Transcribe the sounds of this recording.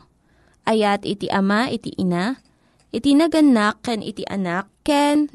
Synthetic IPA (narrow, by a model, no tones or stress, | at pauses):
ʔɐjat̪ɪt̪ḭʔɐmaʔɪt̪ḭʔɪna | ʔɪt̪inɐɡɐnakːɛnʔɪ̰t̪ḭʔɐ̰nakːɛn